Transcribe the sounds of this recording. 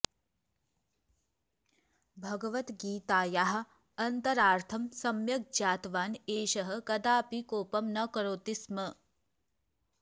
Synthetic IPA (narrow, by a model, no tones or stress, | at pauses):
bʱɐɡɐʋɐt̪ɡiːt̪aːjaɦɐ̆ | ɐnt̪ɐɾaːɾt̪ʰɐmsɐmjɐk̚d͡ʒaːt̪ʋaːneːʃɐɦɐ̆kɐd̪aːpikoːpɐmnɐkɐɾoːt̪ismɐ